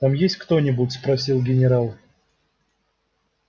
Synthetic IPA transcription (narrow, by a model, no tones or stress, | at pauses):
t̪amjesʲt̚ʲkt̪o̞nʲɪbʊtʲspɾɐsʲilˠɡʲɪnʲɪɾalˠ